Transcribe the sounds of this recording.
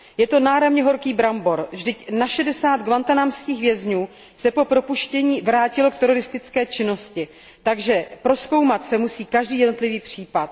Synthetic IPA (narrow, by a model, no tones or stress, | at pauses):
jɛt̪o̞naːɾamɲɛɦo̞ɾkiːbɾambo̞ɾvʒdɪcnaʃɛdɛsaːt̪ɡvant̪anamskiːxvjɛzɲuː | sɛpo̞pɾo̞puʃcɛɲiːvɾaːcɪlo̞kt̪ɛɾo̞ɾɪst̪ɪt͡skɛːt͡ʃɪno̞scɪ | t̪aɡʒɛpɾo̞sko̞wmat̪sɛmusiːkaʒdiːjɛdno̞t̪lɪviːpr̝̥iːpat̪̚